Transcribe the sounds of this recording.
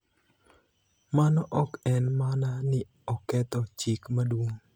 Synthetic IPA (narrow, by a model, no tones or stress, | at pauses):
manɔʔɔkɛnmananɪ | ɔkɛt̪ɔt͡ʃikmadwoŋ